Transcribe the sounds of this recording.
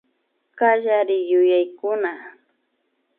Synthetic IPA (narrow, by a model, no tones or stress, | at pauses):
kaʎaɾɪjʊjajkʊna